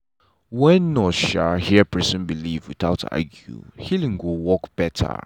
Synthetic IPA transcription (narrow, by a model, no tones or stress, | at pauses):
wɛ̃nːɔʃahiəpʰɹisə̃nbilivwiθaʊta̰ɡjṵhilĩŋɡowɔkb̥ɛtʰə̰